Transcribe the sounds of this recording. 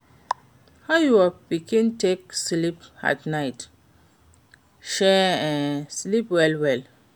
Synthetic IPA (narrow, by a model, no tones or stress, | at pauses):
hajuabiɡĩntek̚slipa̰tnajt | ʃɛ | slipwɛlwɛl